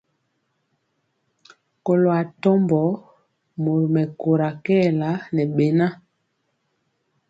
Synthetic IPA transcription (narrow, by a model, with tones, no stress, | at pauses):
ko˨lo˨a˨tɔ˦mbɔ˨˦ | mo˨ɾmɛ˨ko˨ɾa˨kɛ˦˨la˨˦nɛ˨ɓe˨na˦